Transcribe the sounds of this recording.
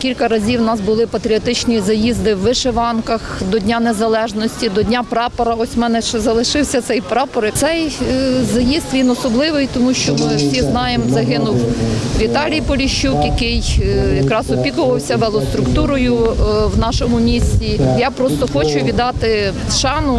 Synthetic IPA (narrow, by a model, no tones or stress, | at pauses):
kʲilʲkɐɾɐzʲiwnɑsbʊlˠɪpɐt̪ɾʲiɔt̪ɪt͡ʃnʲizɐjizd̪ɪwːɪʃeʋɑnkɐxd̪ɔdʲnʲanezɐlˠɛʒnɔsʲtʲid̪ɔdʲnʲapɾɑpɔɾɐɔsʲmɛnɛʃt͡ʃɛzɐlˠɪʃɪwsʲɐt̪sɛjpɾɑpɔɾt̪sɛjzɐjizt̪ʋʲinɔsɔblˠɪʋɪjt̪ɔmuʃt͡ʃɔmɪwsʲiznɑjemzɐɦɪnʊwʋʲit̪ɑlʲijpɔlʲiʃt͡ʃukjɐkɪjjɐkɾɑsɔpʲikʊʋɐwsʲɐʋɛlˠɔst̪ɾʊkt̪uɾɔjʊwnɑʃɔmʊmʲisʲtʲijɑpɾɔst̪ɔxɔt͡ʃʊʋʲid̪ɑt̪ɪ | ʃɑnʊ